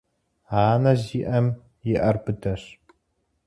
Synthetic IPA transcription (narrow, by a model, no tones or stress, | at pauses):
aːnɐziːʔɐm | jɪʔɐrbɨdʰɐɕ